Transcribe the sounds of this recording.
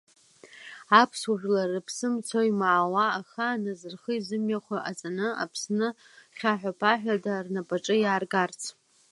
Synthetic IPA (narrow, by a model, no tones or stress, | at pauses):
apʰsuʒʲᶣlarɨpʰsɨmt͡sʰojmaːwaːχanazɨrχəizɨmjaχʷaʔat͡sʼanɨa̰pʰsnɨ | χʲaħʷᶣapʰaħᶣadarnapʼaʈ͡ʂʼɨjaːrɡart͡sʰ